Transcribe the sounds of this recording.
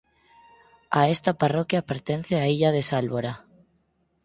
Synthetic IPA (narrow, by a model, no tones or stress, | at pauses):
aest̪aparɔkjapeɾt̪en̟θeaiʎaðesalβoɾa